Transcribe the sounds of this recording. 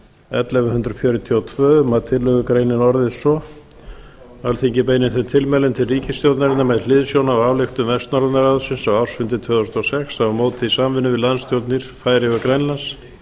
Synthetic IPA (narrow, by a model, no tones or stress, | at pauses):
ɛt̪lɛvʏhʏnd̪ɾʏfjœːɾʏt̪ʰiɔwt̪ʰvœːmaðt̪ʰɪlːœɣʏkɾejnɪnɔɾðɪsɔ | alθiɲcɪpejnɪnθɛt̪ʰɪlmɛlʏnt̪ʰɪlriːcɪst̪jowt̪naɾɪnːamɛðlɪðsjownavavlɪxt̪ʏmvɛst̪nɔɾanaɾaðʏsɪnsavawɾ̥sfʏnt̪ɪt̪ʰvœːɣðɔst̪ɔsɛksavmoːwt̪ʰɪðisamvɪnʏvɪðlanst̪ʰjowt̪niɾ̥faːjɾɪɣakɾejnlans